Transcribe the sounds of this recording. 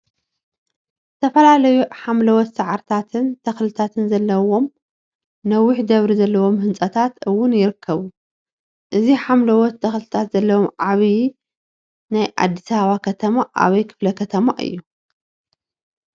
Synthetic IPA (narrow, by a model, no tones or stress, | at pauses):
zɨt̪ʰɐfɐlalɐjuħamlɐwɔt̪saʕaɾt̪ʰat̪ʰɨnt̪ʰɐxlɨt̪ʰat̪ʰɨnzɐlːɐwo̞m | nɐwːʊħd̪ɐβɾizɐlːɐwo̞mhɨnt͡sʼɐt̪ʰat̪ɨwːʊnjɪɾɨkʰːɐβu | ʔɨziħamlɐwɔt̪ʰːɐxlɨt̪ʰat̪zɐlːɐwomʕaβi | najʔa̰d̪ːisaβakʰɐt̪ʰɐmaʔa̰βɐjkʰɨ̥flɐkʰɐt̪ʰɐmaʔɨ̰jːu